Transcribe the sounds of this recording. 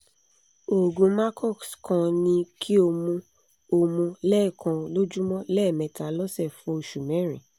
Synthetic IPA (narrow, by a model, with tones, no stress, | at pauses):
o˨ɡũ˨˦ma˦kʰɔ˦˨kskã˧nĩ˧kʰi˦o˧mũ˧ | o˧mũ˧lɛ˦˨kã˧lo˦d͡ʒu˦mɔ̃˦lɛ˦˨mɛ̃˨ta˨lɔ˦sɛ˦˨fũ˨˦o˧ʃu˨mɛ̃˨˦ɾ̃ĩ˨